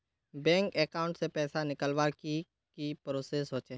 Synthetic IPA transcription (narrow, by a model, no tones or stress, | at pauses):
bɛ̃ːŋkɛːkaːʊ̃ɳʈsepɛːsanɪkəlʋaki | kipɾoːsesɦoːt͡ʃeː